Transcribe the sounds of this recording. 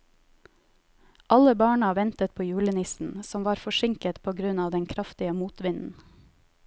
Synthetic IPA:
ʔɑləbɑːɳɑʋɛnt̪ət̪̚pʰoːjʉːɭənɪsn̩sɔmʋɑːɾfɔʃɪŋkət̪pʰoːɡɾʉnɑːʋd̪ɛŋkʰɾɑft̪ɪəmuːt̪ʋɪnn̩

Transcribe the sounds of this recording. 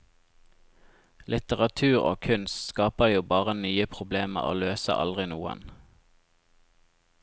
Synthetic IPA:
lɪt̪əʁɑt̪ʰʉːʁo̰ːkʰʉnsskɑːpəjuːbɑːʁənyːəpʰʁʊbleːmə̰ʁo̰ːløːsə̰ʔɑ̰ld̪ʁɪnuːə̰n

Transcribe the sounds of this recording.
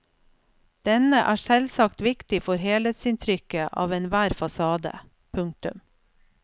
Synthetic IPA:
d̪̥ɛnəʔæːʃɛlsɑkt̪ʋɪkt̪ɪfɔɾheːlət̪sɪnt̪ʰɾʏkəʔɑ̰ːʋɛnʋæːɾfɑsɑːd̪ə̰ | pʰʉŋ̚t̪ʉ̰m

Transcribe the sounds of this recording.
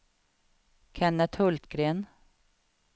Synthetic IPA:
kʰɛnːət̪hɵlt̪ɡɾeːn

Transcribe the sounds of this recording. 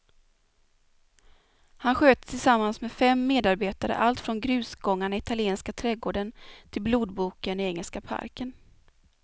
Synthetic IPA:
hanɧøːt̪ət̪ʰɪlsamːansmɛfɛmːeːd̪aɾbeːt̪aɾə̰ʔalt̪fɾɔnɡɾʉ̟ːsɡɔŋːaɳaɪt̪ʰalɪeːnskat̪ʰɾɛːɡoːɖənt̪ʰɪlbluːd̪̚buːkənɪɛŋːəlskapʰa̰ɾkən

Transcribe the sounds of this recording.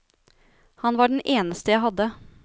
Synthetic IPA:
hɑnʋɑːɖnʔeːnəst̪əjæɪɦɑd̪ːə

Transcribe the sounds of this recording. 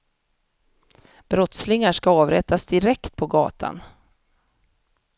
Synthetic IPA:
b̥ɾɔt̪slɪŋaʂkaɑːvɾɛt̪asd̪ɪɾɛkt̪̚pʰɔɡɑ̰ːt̪ʰa̰n

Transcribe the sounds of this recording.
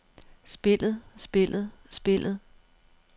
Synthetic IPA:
sb̥e̝l̰ð̩ˠsb̥e̝l̰ð̩ˠsb̥e̝l̰ʔð̩ˠ

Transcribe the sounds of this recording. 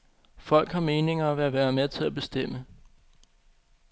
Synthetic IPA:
fɒ̽l̰ɡ̥hɑ̈me̝ːne̝ŋɐæʋæːæɐʋæːɐmet͡sʰe̝læb̥e̝sd̥em̰ə

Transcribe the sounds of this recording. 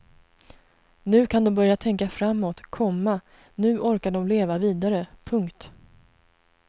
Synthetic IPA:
nʉ̟ːkʰand̪ɔmbœɾjat̪ʰɛŋkafɾamːot̪kʰɔmːa | nʉ̟ːʔɔɾkaɖɔmleːvaviːd̪aɾəpʰɵŋkt̪

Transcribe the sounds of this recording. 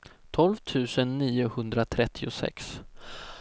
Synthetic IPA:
t̪ʰɔlvt̪ʰʉ̟ːsənːiːʊhɵnd̪ɾat̪ʰɾɛt̪ʰːɪʊsɛ̰ks

